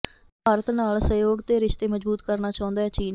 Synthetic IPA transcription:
paːɾət̪naːlsəjoːɡt̪eːɾɪʃt̪eːməd͡ʒbuːt̪kəɾnaːt͡ʃaːʊ̃nd̪aːɛːt͡ʃiːn

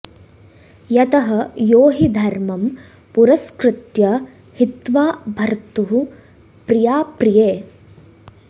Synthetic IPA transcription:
jɐt̪ɐɦɐjoːɦid̪ʱɐɾmɐm | puɾɐskɾɪt̪jɐ | hit̪ʋaːbʱɐɾt̪uɦu | pɾijaːpɾijeː

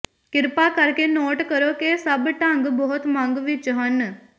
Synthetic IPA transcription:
kɪɾpakɐɾkenoːʈkəɾokesɐbʈãŋɡbɔɦʊt̪mãŋɡʋɪt͡ʃɦɐn

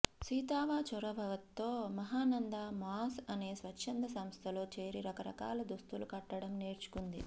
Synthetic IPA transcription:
siːt̪aːʋaːt͡ʃɔɾɐbʱɐʋɐt̪ːo̞ːmɐɦaːnɐnd̪amaːsɐne̞ːsʋɐtːʃɐnd̪ɐsɐmst̪ʰɐlo̞ːt͡ʃeːɾiɾɐkɐɾɐ̰ka̰ːlɐd̪ust̪ulukɐʈːɐɽɐmneːɾt͡ʃu̥kund̪ḭ

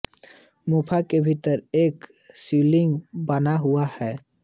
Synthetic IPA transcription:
moːpʰakebʱit̪əɾeːk | siːlɪ̃ŋɡbənaɦʊahɛː

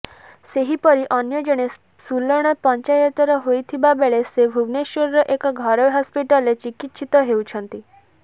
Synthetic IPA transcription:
seɦipɔɾiʔɔnjɔd͡ʒɔɽ̃e | sulːɔɽ̃ɔt̪̚pɔɲt͡ʃajət̪ɔɾɔɦojt̪ʰibabeɭesebʱuɡneʃoɾɾɔʔekɔɡʱɔɾɔʋɦɔspiʈɔlet͡ʃikit̪ːt͡ʃʰit̪ɔɦeut͡ʃʰɔnt̪i

